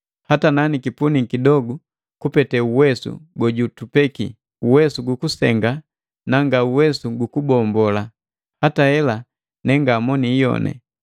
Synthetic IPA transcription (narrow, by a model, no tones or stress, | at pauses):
hatananikipunikidɔɡu | kupɛtɛuwɛsṵɡɔɟutupɛkḭ | uwɛsuɡukusɛŋɡa | naŋɡauwɛsuɡukubɔmbɔla | hatahɛla | nɛŋɡaːmɔnijɔ̰nɛ̰